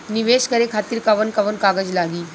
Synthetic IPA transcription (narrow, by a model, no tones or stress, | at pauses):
niʋeʃkəɾekʰat̪iːɾkɐʋənkɐʋənkaɡəd͡ʑlaɡiː